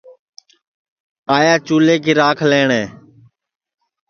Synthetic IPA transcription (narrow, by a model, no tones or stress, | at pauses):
aːjaːt͡ʃuːleːkiːɾaːkʰleːɳeː